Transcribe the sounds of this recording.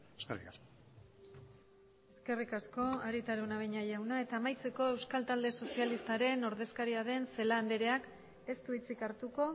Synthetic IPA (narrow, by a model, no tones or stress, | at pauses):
eskerḭkasko | e̞ske̞rikasko̞aɾit̪aɾunaβeɲaʝawnae̞t̪aːmajt͡se̞ko̞e̞wskalt̪ald̪e̞so̞sialist̪aɾe̞no̞ɾðe̞skaɾiaðe̞nse̞laːnd̪e̞ɾe̞ak | e̞st̪uit͡sikaɾt̪uko̞